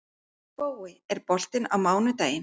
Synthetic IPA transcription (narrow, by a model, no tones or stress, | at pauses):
poːwɪɛɾ̥pɔl̥t̪ɪnawmaːwnʏt̪aːjɪn